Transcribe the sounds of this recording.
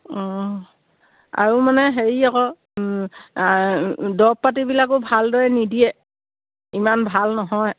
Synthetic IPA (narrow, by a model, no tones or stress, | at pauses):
ɔ̃ | a̰ɹumanɛɦeɹiakɔ | dɔpːat̬ibilak̬ʊbʱaldɔjɛnidijɛ | imanbʱalnɔɦɔj